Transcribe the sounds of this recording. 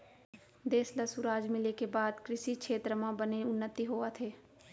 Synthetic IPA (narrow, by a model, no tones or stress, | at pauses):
d̪eːsləsʊɾaːd͡ʒmɪlekebaːd̪kɾɪʃikʃʰeːt̪ɾəmãbəneʊnːət̪iɦoːat̪ʰeː